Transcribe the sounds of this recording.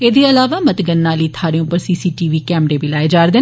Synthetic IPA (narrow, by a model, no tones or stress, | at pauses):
eːd̪eːəlaːʋaːmət̪ɡənːaːliːt̪ʰaːɾeõpəɾsiːsiːʈiːʋiːkɛːmɾeːbilaːeːd͡ʒaːɾd̪eː